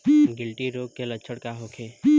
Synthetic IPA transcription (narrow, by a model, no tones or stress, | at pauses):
ɡɪlʈiɾoːɡ̚kːelətːʃʰəɽkaɦoːkʰeː